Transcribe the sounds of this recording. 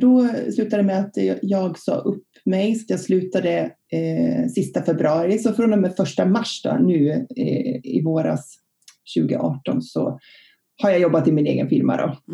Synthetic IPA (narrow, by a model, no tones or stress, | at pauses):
d̪ɔslʉ̟ːt̪ad̪əmɛat̪jɑːɡsɑ̰ːʔɵpː | mɛjsḁt̪jaɡslʉ̟ːt̪ad̪ə | sɪst̪afɛbɾɵɑːɾɪsɔfɾɔnd̪ɔmɛfœʂʈamaʂːd̪ɔ̰nʉ̟ː | ɪ̰voːɾa̰s | ɕʉ̟ːɡə̰ʔɑːʈɔnsɔ̰ | haɾjajɔbːat̪ːɪlmɪnḛːɡə̰nfɪlma̰d̪ɔ̰